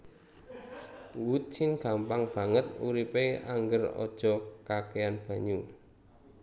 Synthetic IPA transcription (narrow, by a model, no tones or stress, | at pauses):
wut͡ʃɪnɡ̥a̤mpaŋb̥ä̤ŋət̪uɾipea̰ŋɡərɔ̰d̥ʒ̥ɔ̤kakeanb̥ä̤ɲu